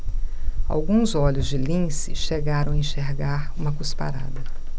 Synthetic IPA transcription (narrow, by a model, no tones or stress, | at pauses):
a̰wɡũzɔʎʊzd͡ʒɪlĩsɪʃeɡaɾɐ̃w̃ɐẽʃeɾɡaɾũmɐkuspa̰ɾa̰d̪ɐ